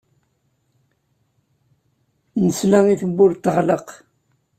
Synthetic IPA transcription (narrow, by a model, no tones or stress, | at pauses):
nəslæŋiθəbːʊɾt̪ːəʁləq